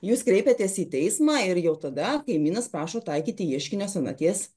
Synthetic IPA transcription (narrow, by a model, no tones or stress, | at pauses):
juːskɾʲɛɪpʲet̪ʲeːsiːt̪ʲɛɪsmɑːɪɾjɛʊt̪ɐd̪ɐkɐɪmʲiːnɐspɾɑːʃoːt̪ɐɪkʲiːt̪ʲɪiɛʃʲkʲɪnʲoːsɐnɐ̰t̪ʲiːs